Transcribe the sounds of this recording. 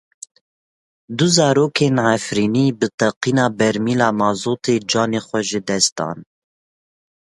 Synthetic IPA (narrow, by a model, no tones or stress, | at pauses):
d̪uzɑːɾoːkʰeːnʕafɾiːniːbɨt̪ɛqiːnɑːbɛɾmiːlɑːmɑːzoːt̪ʰeːd͡ʒɑːneːxʷɛʒɨd̪ɛst̪̚ɑ̰ːn